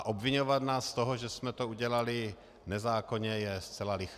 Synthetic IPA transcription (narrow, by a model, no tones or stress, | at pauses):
ʔobviɲovat̪naːst̪oɦoʒɛsmɛt̪ouɟɛlalɪ | nɛzaːkoɲɛjɛst͡sɛlalɪx